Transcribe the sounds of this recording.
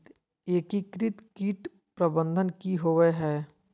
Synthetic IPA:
t̪ | eːkikɾɪt̪kiːʈ | pɾəbə̃nd̪ʱənkiɦoʋeɦɛː

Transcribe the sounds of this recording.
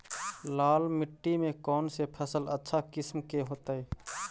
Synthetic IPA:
laːlmɪʈːimẽkɔːnsepʰəsələtːʃʰakɪsmkeɦoːt̪aɛ

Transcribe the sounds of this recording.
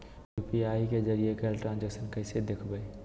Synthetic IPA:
jupiaiked͡ʒəɾiekəlʈɾãnd͡ʒɛksənkəɪsed̪ekʰbəj

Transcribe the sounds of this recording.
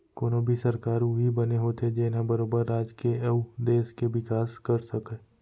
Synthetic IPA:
koːnõbʱisɐɾkaːɾuɦibɐneɦoːt̪ʰed͡ʒeːnabɐɾoːbəɾːaːd͡ʒkeud̪eːʃkeʋɪkaːskɐɾsɐke

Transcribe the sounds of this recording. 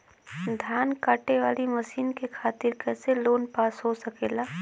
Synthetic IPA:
d̪ʱjaːnkaːʈeʋaːlimɐsiːnkekʰaːt̪ɪɾkɛːseloːnpaːsɦosəkeːlaː

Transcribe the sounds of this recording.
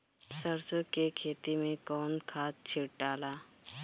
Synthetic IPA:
səɾsəkekʰeːt̪imẽkɔːnkʰaːt̪̚t͡ʃʰɪɽʈaːlaː

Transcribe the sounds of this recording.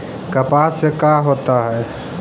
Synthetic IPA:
kəpasekaɦoːt̪aɦɛː

